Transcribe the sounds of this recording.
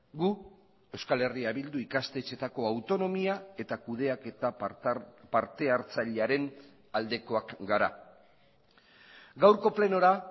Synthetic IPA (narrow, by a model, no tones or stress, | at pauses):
ɡu | e̞wskale̞riaβild̪uikast̪et͡ʃe̞t̪ako̞awt̪o̞no̞miae̞t̪akuð̞e̞ake̞t̪a | paɾt̪e̞aɾt͡saʎeaɾe̞n | ald̪e̞ko̞akɡaɾa̰ | ɡawɾko̞ple̞no̞ɾa